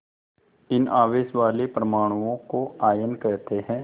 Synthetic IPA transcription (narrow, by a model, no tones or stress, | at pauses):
ɪnaːʋeːʃʋaːlepɾɐmaːɽ̃uõkoaːjənkɛɦt̪eɦɛ̃ː